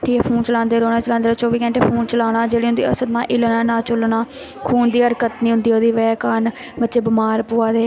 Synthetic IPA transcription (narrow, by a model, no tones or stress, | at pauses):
ʈʰiːkepʰuːnt͡ʃəlãːnd̪eːɾoːnaːt͡ʃəlaːnd̪eːɾoːt͡ʃoːʋiːkɛ̃ːɳʈeːpʰuːnt͡ʃəlaːɽaːd͡ʒeːɽiːɦʊ̃nd̪iːəsəɾnãːʔɪlnaːnãːt͡ʃʊlnaː | kʰuːnd̪iːəɾkət̪nĩːɦʊ̃nd̪iːod̪iːʋɛːkaːn | bətːt͡ʃeːbɪmaːɾpʊaːd̪eː